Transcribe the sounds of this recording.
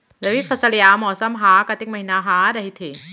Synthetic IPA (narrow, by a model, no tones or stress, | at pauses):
ɾawifʰasaliamɔsɐmɦaːkat̪ik̚mahinaɦadaɦit̪ʰi